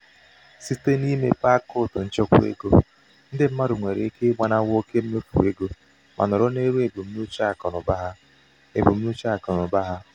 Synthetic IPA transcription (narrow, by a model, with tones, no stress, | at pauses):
si˦te˦ni˦me˦pa˦kʊ˦˨tʊ˨n̩˦t͡ʃʊ˦kʷʊ̰˦ḛ˦ɡo̰˦ | n̩˦dɪ˦m̩˦ma˦ɾʊ˨ŋʷe˨ɾḛ˨˦ke˦ɡ͡ba˨na˦wo˦ke˦m̩˦me˦fṵ˨e˦ɡo˦ | mʔa̰˨nʊ˨ɾʊ˦ne˦ɾu˦e˨bu˨m̩˦nu˦t͡ʃa˦˨kɔ˨nʊ˨ba˦ɦa˦ | e˨bu˨m̩˦nu˦t͡ʃa˦˨kɔ˨nʊ˨ba˦ɦa˦